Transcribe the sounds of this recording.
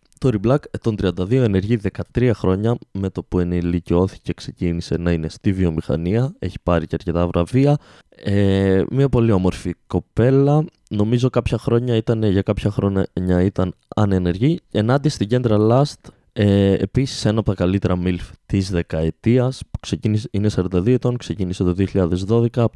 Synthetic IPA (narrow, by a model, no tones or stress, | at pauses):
t̪o̞ɾiblɐket̪o̞nt̪ɾiɐnd̪ɐðio̞e̞ne̞ɾʝiðe̞kɐt̪ɾiɐxɾo̞ɲɐme̞t̪o̞pue̞nilicio̞θi̥ce̞kse̞cinise̞nɐine̞st̪ivio̞mixɐ̰niɐe̞çi̥pɐɾiceɐɾce̞t̪ɐvɾʔɐviɐ | emiɐpo̞liomo̞ɾfiko̞pe̞lɐ | no̞mizo̞kɐpçɐxɾo̞ɲɐit̪ɐnʝɐkɐpçɐxɾo̞ɲɐit̪ɐn | ɐ̰nene̞ɾʝienɐd̪ist̪iɲɟe̞nd̪ɾɐlɐst̪ | ḛːpisi̥se̞nɐpot̪ɐkɐlit̪e̞ɾɐmilft̪izðe̞kɐet̪iɐspu̥ksecinisine̞sɐɾt̪ɐðiet̪o̞nkse̞cinise̞t̪o̞ðioçiʎɐðe̞zðo̞ðe̞kɐ